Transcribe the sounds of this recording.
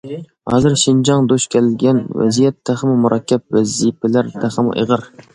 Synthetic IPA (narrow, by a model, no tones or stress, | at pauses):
hɑ̰ːzɨɾʃind͡ʒɑŋd̪oʃkʲʰɛlɡʲɛnvɛ̰zijɛt̪ʰːæχəmɨmuɾʔɑkʲʰːɛp̚vɛzipʰɪlæɾt̪ʰæχəmʊ̰ʔḛʁəɾ